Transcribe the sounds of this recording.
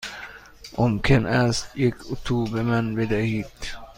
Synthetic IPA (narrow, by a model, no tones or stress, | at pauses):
ʔɔmkʰɛnæst̪jɪkʰːʊk̚t̪ʰuːbəɾmɛnved̪ɛhiːt̪